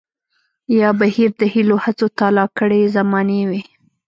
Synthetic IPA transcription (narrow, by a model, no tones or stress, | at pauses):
jɑbahiɾd̪əhilohat͡sot̪ɑlɑkəɽezamɑnewi